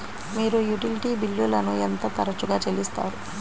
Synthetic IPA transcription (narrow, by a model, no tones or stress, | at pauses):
miːɾujuʈiliʈiːbilːulɐnuent̪ɐt̪ɐɾɐt͡ʃuɡaːt͡ʃelist̪a̰ːɾu